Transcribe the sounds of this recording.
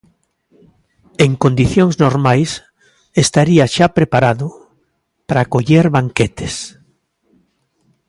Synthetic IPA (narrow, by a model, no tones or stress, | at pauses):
eŋkond̪iθjoŋznoɾmajs | est̪aɾiaʃapɾepaɾaðʊ | paɾaːkoʎeɾβaŋket̪e̥s